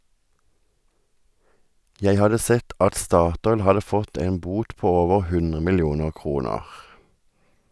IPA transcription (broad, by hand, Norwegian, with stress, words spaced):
ˈjæɪ ˈhɑdə ˈsɛt ˈʔɑt ˈstɑːˌtɔʏl ˈhɑdə ˈfɔt ˈeːn ˈbuːt ˈpoː ˈoːʋəʁ ˈhʉnʁə mɪlˈjuːnəʁ ˈkʁuːnəʁ